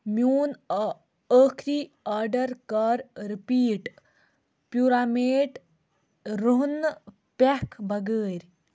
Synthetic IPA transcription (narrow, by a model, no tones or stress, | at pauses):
mjuːn | əːkʰɾiːaːɾɖəɾkaɾɾipiːʈ | pjuːɾaːmeːʈ | ɾuɦn | pekʰbʱɐɡəːɾʲ